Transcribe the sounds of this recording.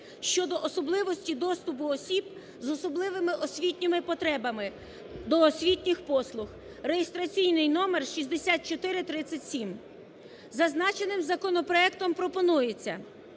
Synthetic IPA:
ʃt͡ʃɔd̪ɔʔɔsɔblˠɪʋɔsʲtʲid̪ɔst̪ʊpʊɔsʲib | zɔsɔblˠɪʋɪmɪʔɔsʲʋʲitʲnʲɪmɪpɔt̪ɾɛbɐmɪ | d̪ɔːsʲʋʲitʲnʲɪxpɔslˠʊx | rejist̪ɾɐt͡sʲijnɪjnɔmerʃizʲd̪esʲat̪̚t͡ʃɔt̪ɪɾɪt̪ɾɪt͡sʲːɐtʲsʲim | zɐznɑt͡ʃenɪmzɐkɔnɔpɾɔɛkt̪ɔmpɾɔpɔnujet͡sʲːɐ̰

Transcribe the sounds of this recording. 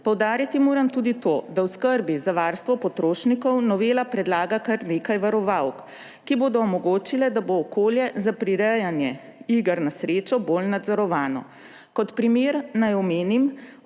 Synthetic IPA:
pɔwd̪aːɾjat̪imoːɾamt̪uːd̪it̪oːd̪awskəɾbizaʋaːɾst̪ʋɔpɔt̪ɾoːʃnikɔwnɔʋeːlapɾɛd̪laːɡakaɾneːkajʋaɾɔʋawk | kiboːd̪ɔɔmɔɡoːt͡ʃilɛd̪aboːkoːljɛzapɾiɾɛjanjɛ | iɡəɾnasɾeːt͡ʃɔboːlnad̪zɔɾɔʋaːnɔ̰ | kɔt̪pɾimeːɾnajɔmeːnim

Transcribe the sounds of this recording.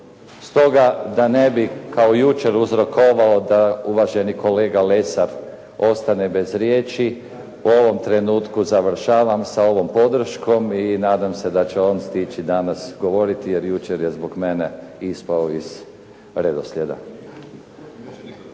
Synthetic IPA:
st̪o̞ɡad̪anebikaojut͡ʃe̞ɾuzɾo̞koʋaod̪auʋaʒe̞niko̞le̞ːɡalesaɾ | o̞st̪ane̞be̞zɾjeːt͡ʃi | uo̞ʋo̞mt̪ɾe̞nuːt̪kuzaʋr̩ʃaːʋamsao̞ʋo̞mpo̞d̪r̩ʃkʰo̞minaːd̪amse̞d̪at͡ʃeo̞ːnst̪it͡ʃid̪anasɡo̞ʋo̞ɾit̪ijeɾjut͡ʃeɾjezboɡme̞neispaoiz̥ | ɾed̪oslʲed̪a̰

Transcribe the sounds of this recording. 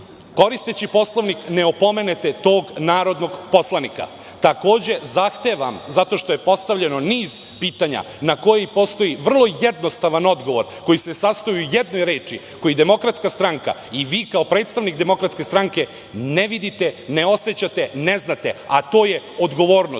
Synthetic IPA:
ko̞ɾist̪et͡ɕipo̞slˠo̞ʋnikneopo̞me̞net̪et̪o̞ːɡnaːɾo̞d̪no̞ɡpo̞slˠanika̰ | t̪ako̞ːd͡ʑe̞zaxt̪e̞ʋamzat̪o̞ʃt̪o̞je̞po̞st̪aʋʎe̞no̞niːz | piːt̪aɲa̰ | nako̞jepo̞st̪o̞jiʋr̩lˠo̞jed̪nost̪aʋano̞d̪ɡo̞ʋo̞ɾko̞jisesast̪ojiujed̪no̞jɾe̞ːt͡ʃi | ko̞jid̪emo̞kɾat̪skast̪ɾaŋka̰iʋiːkaopɾe̞ːt̪st̪aʋnikd̪e̞mo̞kɾat̪ske̞st̪ɾaŋke̞ | neʋid̪it̪ene̞o̞set͡ɕat̪eneznat̪e̞̰at̪o̞ːje̞o̞d̪ɡo̞ʋo̞ːɾno

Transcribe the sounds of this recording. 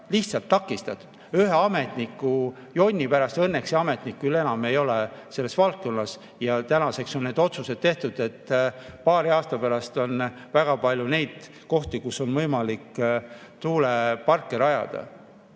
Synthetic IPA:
liht̪sɑlt̪ːɑkːˑist̪ɑt̪ːu̥d̪̥yɦeɑme̞t̪nikːˑu | jo̞nʲːipæɾɑst̪ɤnːe̞kseɑme̞t̪nikːylːe̞nɑme̞jo̞lese̞lːe̞svɑlt̪̚ko̞nːɑs | jɑt̪ænɑse̞kso̞nːe̞ːd̪̥o̞t̪suse̞d̪̥t̪e̞ht̪ud̪̥e̞t̪ːpɑːɾiɑːst̪ɑpæɾɑst̪o̞n | væɡ̥ɑpɑlʲjune̞jd̪̥ | ko̞ht̪ikuso̞nvɤjmɑlikː | t̪uːlepɑrkːeɾɑjɑ̰d̪̥ɑ̰

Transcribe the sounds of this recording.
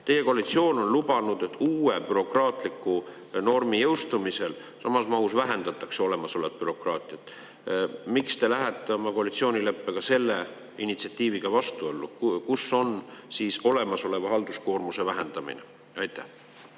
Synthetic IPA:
t̪e̞je̞ko̞ɑlit̪sio̞ːno̞nlub̥ɑnud̪̥e̞t̪ːuːe̞pyɾo̞krɑːt̪ˑlikːˑu | no̞rmijɤwst̪umise̞l | sɑmɑsmɑɦusvæɦe̞nd̪̥ɑt̪ːˑɑkseo̞le̞mɑso̞let̪̚pyɾo̞krɑːt̪ˑiɑt̪ | mikst̪e̞læɦet̪ːeomɑko̞ɑlit̪sio̞ːnile̞pːˑekɑse̞lːe̞ | init̪siɑt̪ːˑiːviɡ̥ɑvɑst̪uo̞lːukusːo̞nsiːso̞le̞mɑso̞le̞vɑɦɑld̪̥usko̞ːrmuse̞væɦend̪̥ɑmḭnḛ | ɑjt̪ˑːæ̰h

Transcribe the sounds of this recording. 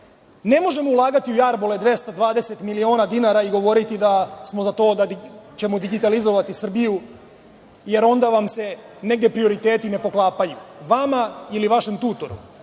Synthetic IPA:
ne̞mo̞ʒe̞moulˠaːɡat̪iujaɾbole̞d̪ʋe̞st̪ad̪ʋaːd̪e̞se̞t̪milio̞ːnad̪inaɾaiɡo̞ʋo̞ɾit̪id̪asmo̞zat̪o̞ːd̪at͡ɕe̞mo̞d̪iɡit̪alizo̞ʋat̪isr̩biju | je̞ɾo̞nd̪aʋamse̞ | ne̞ɡd̪e̞pɾioɾit̪e̞ːt̪ine̞po̞klˠaːpajuʋamailiʋaʃemt̪uːt̪o̞ɾṵ

